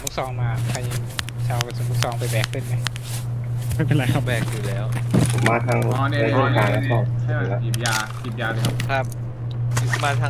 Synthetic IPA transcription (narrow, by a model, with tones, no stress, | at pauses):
tʰuː˧˥˩sɔː˨˦ŋmaː˧pʰa˧ji˧˩ | t͡ɕʰaː˧wpa˧˩sʰuː˧˦t̪ʰuː˥˩ksɔː˨˦ŋpa˧jbɛː˨˩k̚ʰːɯ˧˥˩nma˧˩ | aː˧˩pe˨nla˧jkʰa˧p̚bɛː˨˩k̚juː˨˩lɛː˦˥wpʰo˨˩˦mːaː˧t̪ʰaː˧ŋ˧ɔ˧ni˧ɾuː˥˩kʰaː˨˧˩la˧˥sɔː˧˩˧la˧˥i˨˩jaː˧ki˨˩p̚jaː˧kʰa˦˥p̚ːʰ | o˨˩˦maː˧˩t̪ʰa˧